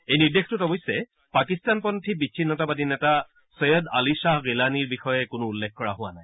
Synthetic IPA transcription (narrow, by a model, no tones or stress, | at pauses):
ejniɹdextʊtɔbɔjsːɛ | pakistanpɔntʰibit͡ʃʰːinːɔtabadinɛta | sɔjɔdalisaɦɡilaniɹbixɔjɛkʊnʊːlːekkɔɹaɦʊwanaj